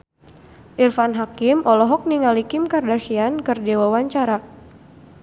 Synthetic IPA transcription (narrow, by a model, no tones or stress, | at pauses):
ʔirfanɦakimɔlɔɦɔk̚niŋalikɪmkardasiankɨrdewawaɲt͡ʃaɾa